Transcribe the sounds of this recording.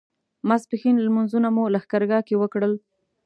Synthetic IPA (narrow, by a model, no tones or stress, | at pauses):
maspɪxinlmunzunamulaxkaɾɡɑkewəkɽəl